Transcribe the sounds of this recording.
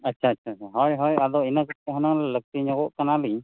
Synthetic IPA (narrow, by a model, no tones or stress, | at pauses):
ətːt͡ʃʰaːtːt͡ʃʰaaɦɔjɦɔjad̪ɔinakəʈ̚kɛɦɔnaŋlɛlək̚t̪iɲɔɡɔʔkanali